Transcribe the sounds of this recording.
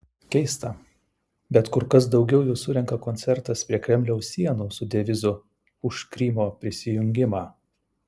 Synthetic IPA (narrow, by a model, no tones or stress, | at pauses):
kʲɛɪst̪ɐ | bʲɛt̪kʊɾkɐsd̪ɒʊɡʲɛʊjuːsʊɾʲɛŋkɐkoːnʲt̪sʲɛɾt̪ɐspʲɾʲiɛkʲɾʲɛmʲlʲɛʊsʲiɛnuːsʊd̪ʲɛʋʲɪzʊ | ʊʃkɾʲiːmoːpʲɾʲɪsʲɪjʊŋʲɡʲɪmɑː